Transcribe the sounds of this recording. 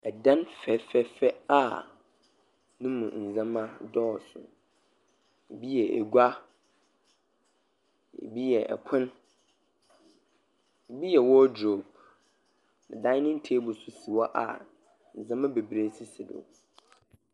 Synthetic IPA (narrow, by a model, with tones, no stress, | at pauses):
ɛ˨dã˦nfɛ˨fɛ˦fɛ˦a˦˨ | nʊ̃˦mũ˨n̩˨zã˦mã˦dɔː˦˨sʊ̰˨ | e˨bi˦jɛ˨ʔḛ˨ɡʷa˦ | ḛ˨bi˦jɛ˨ʔɛ̰˨kʰʊ̃˦n | e˨bi˦jɛ˨wɔ˦dɾo˨b̚ | nã˨dã˦nɪ̃˦n̩˦tʰe˦bʊ˨sʊ˨si˨wɔ˦ʔa̰˨ | n̩˨zã˦mã˦be˨bɾe˦si˦si˨dʊ̰˨